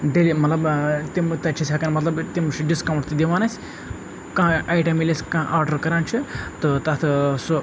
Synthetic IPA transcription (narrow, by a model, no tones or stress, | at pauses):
ɖelimɐt̪lɐbt̪imt̪ɐt͡ʃʰisʲakɐnmɐt̪lɐbt̪imt͡ʃʰɖiskɐwɳʈt̪id̪iʋaːnɐsʲ | kãʔaːjʈɐmilʲesʲkãʔaːɾɖɐɾkɐɾaːnt͡ʃʰit̪ot̪ɐt̪ʰso